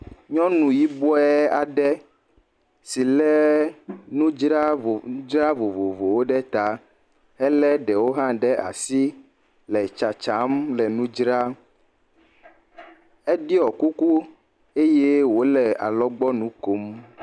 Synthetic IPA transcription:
ɲɔ̃˦nũ˨ji˦bɔ˦ɛ˦a˨ɖɛ˦ | si˨lɛ˦ | nũ˦d͡ʒɾa˦o˨˦d͡ʒɾa˦vo˨vo˨vo˨wo˦ɖɛ˦t̪a˦ | hɛ˦lɛ˦ɖɛ˨wo˦ɦã˦ɖɛ˦ʔa̰˨si˦ | lɛ˨t͡ʃa˨t͡ʃa˨˦mlɛ˨nũ˦d͡ʒɾa˦ | ɛ˦ɖi˦ɔ˨ku˦ku˦ | e˦je˦wo˦lɛ˨a̰˨lɔ˦ɡ͡bɔ˦nũ˦ko˦m

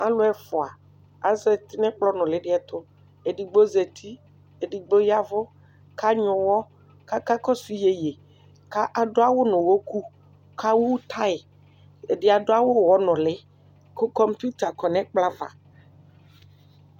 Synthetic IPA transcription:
a˦lo˦ɛ˦fɔ˨a˨ | a̰˨zɛ˨t̪i˦nɛ̃˦k͡plɔ˦nɔ̃˨le˨ɖɪ˦ɛ˨t̪o˦ | e˨ɖi˨ɡ͡bo˦ze˨t̪ʰi˦ | e˨ɖi˨ɡ͡bo˦ja˦vo˦ | kʰa˦ɲɔ̃˨wɔ˦ | ka˦ka˦kɔ˦si˦je˨je˨ | ka˦ʔa˨ɖo˦a˦wo˦nɔ̃˨wo˦ku˦ | kʰa˦wu˦t̪ʰa˦e˨ | e˨ɖe˦a˨ɖo˦a˦wo˦wɔ˦nɔ̃˨le˦ | ko˦kɔ˦mpu˦t̪a˨kɔ˨nɛ̃˦k͡pla˦va̰˨

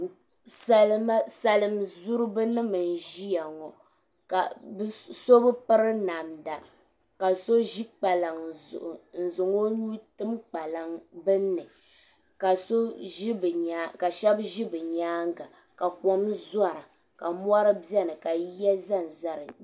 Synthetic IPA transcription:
sa˦la˦sa˨lɨ˦mzu˦ɾɨ˦bɨ˦nɨ˦mɨ˨n˨ʒi˦ja˨ŋɔ˨ | ka̰˨bso˦bɨ˦pɨ˦ɾɨ˦na˨mda˨ | ka˨so˦ʒi˦k͡pa˨la˨ŋ˨zʊ̰˨ʔʊ˨n̩˨zʊ˨ŋo˦ɲu˦tɨ˦mk͡pa˨la˨ŋbɨ˦nːɨ˨ | ka˨so˦ʒi˦bɨ˨ɲa˨˦ka˨ʃɛ˦bʒi˦bɨ˨ɲaː˦ŋɡa˨ | ka˨kɔ˨mza˦˨ɾa˨ | ka˨mʷ˦a˦ɾɨ˦bɛ˦nɨ˨ka˨˦jɛ˦za˦n˨za˦ɾɨ˨

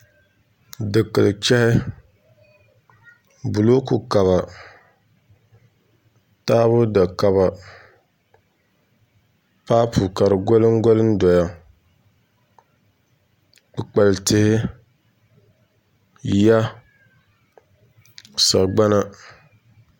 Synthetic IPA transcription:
dɨ˨kɨ˨lɨ˨t͡ʃɛ˦hɪ˦ | bu˨lo˦ku˨ka˨βa˨ | taː˦βʊ˦da˨ka˨ba˨ | paː˦pʰu˨ka˨ɾɨ˨ɡɔ˦lɨ˦ŋ˦ɡo˦lɨ˦n˦dɔ˨ja˨ | k͡pɨ˨k͡pa˨ltɪ˦hɪ˦ | ja˦ | sa̰˨ʔɡ͡ba˦na˦

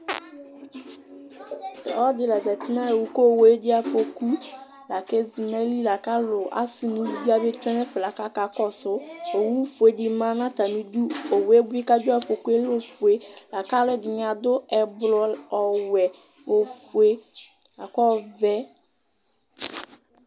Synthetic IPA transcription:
tɔ˨ɔ˦dɪ˨la˨da˨ti˦nã˦e˨wu˨ko˦˨we˦dɪ˦a˦fo˨ku˦ | la˨ke˦zi˨nɛ˦li˦la˨ka˦lʊ˨ʔa̰˦sɪ˨nĩ˦di˦a˦bɪ˦t͡ʃɛ˦nɛ˦fɪ˨la˨ka˦ka˦kɔ˦sʊ˦o˨wu˦fu˨e˦di˨mã˦nã˦ta˨nĩ˦du˦o˨we˦bʊ˦i˦ka˦d͡ʒʊ˦a˦fo˨ku˦e˦lo˦fu˨e˨la˨ka˦lʊ˦ɛ˦˨dɪ˨ɲ˨ã˨dʊ˦ɛ˨blɔ˦ɔ˨wɛ˨ | o˨fu˨e˦ | la˨kɔ˦vɛ˦

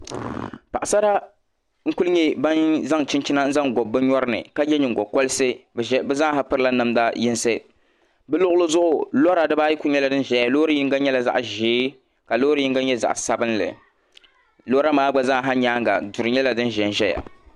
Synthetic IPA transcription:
pa˨ʔa˨sa˦ɾa˦ | ŋ̩˦ku˦lɨ˦ɲɛ˦ba˦nza˦ŋt͡ʃɪ˦nt͡ʃi˦na˦n̩˦za˦ŋɡɔ˨bːɨ˦ɲɔ˦ɾɨ˦nɨ̰˨ka˦jɛ˦ɲɪ˨ŋ˨ɡɔ˨kɔ˦lɨ˦sɨ˦˨˦bɛ˦za˦ŋ˦ɦa˦pɨ˦ɾɨ˦la˦nɨ˦mda˦jɪ˦nsɨ˦ | bɨ˦lʊ˦ʔʊ˦lɨ˦zʊ˦ʔʊ˨lɔ˦ɾa˨dɨ˦baː˦ji˦ku˦ɲɛ˦la˨dɨ˦n˦ʒɛ˦ja˨lo˦ɾɨ˦ji˦ŋ˦ɡa˦ɲɛ˦la˨za̰˦ʔʒeː˦ | ka˨loː˦ɾɨ˦i˦ŋɡa˦ɲɛ˦za̰˨ʔsa˨bɨ˦nlɨ̰˨ | lo˦ɾa˦maː˦ɡ͡ba˦za˦ŋ˨ɦa˦ɲaː˦ŋ˦ɡa̰˨du˨ɾɨ˨ɲɛ˦la˨dɨ˦n˦ʒɛ˨n˨ʒɛ˦ja̰˨

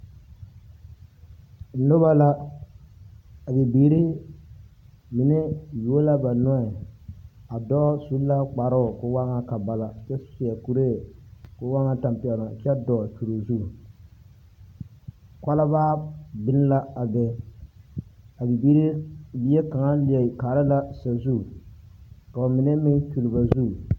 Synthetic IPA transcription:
n̩˨˦no˦ba˦la˦ | a˨bi˨biː˨˦ɾi˦ | mi˨ne˦jo˨˦la˦ba˨nɔ˦ɪ˨ | a˨dɔ˦su˨˦la˦k͡pa˨ɾʊ˦˨kʊ˦wa˦ŋa˦ka˨ba˦la˦˨t͡ʃɛ˦sʊ̥˦sja˨ku˨ɾe˦˨kʊ˦wa˦ŋa˦ta˨mpi˨ɛ˨lʊ˨t͡ʃɛ˦dɔ˨t͡ʃu˨ɾo˨zu˦˨ | kʷa˦la˦βaː˦bɪ˦n˦la˦a˨bɛ˦ | a˨bi˨bi˦ɾi˦bi˦ɛ˦ka˨ŋa˦lɪ˨ɛ˨kaː˨ɾɪ˦la˦sa˨zu˦˨ | ka˨mɪ˨nɛ˦mɪ˦t͡ʃu˨lɪ˨ba˨zu˦˨

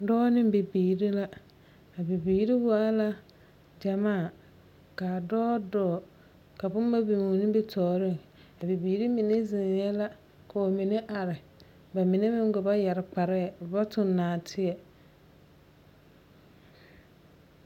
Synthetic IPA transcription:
dɔː˦nɪ˦m˦be˨biː˨ɾi˦la˦ | a˨bi˨biː˨˦ɾi˦waː˦la˦ | d͡ʒa˨maː˦˨ | kaː˨dɔː˦dɔː˦˨ | ka˨bʊ˦m˦ba˦bi˨mu˨nɪ̃˦bɪ˦tʰɔː˨ɾɪ˦˨ŋ | a˨bi˨biː˨˦ɾi˦mɪ˨ne˦zɪ˨njɛ˦la˦ | ka˨o˨mi˨ne˦ʔa˨ɾɪ˨ | ba˨mɪ˨ne˦mɪ̃˦ŋ˦ɡʊ˨ba˦ja˨ɾɪ˨k͡pa˨ɾɛ˦˨ʊ˨ba˦tʊ˦˨nːaː˨tʰɪ˦ɛ˨

